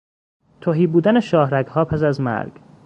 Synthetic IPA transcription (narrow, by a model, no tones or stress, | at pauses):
t̪ʰoɦiːbuːd̪æneʃɒːhɾæɡhɒːpʰæsæzmæ̰ɾɡ̥